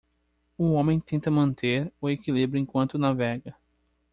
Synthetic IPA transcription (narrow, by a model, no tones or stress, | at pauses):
ʊõmẽj̃t̪ẽnt̪ɐmɐ̃nt̪eɾʊekilibɾʊẽkwɐ̃nt̪ʊnavɛɡɐ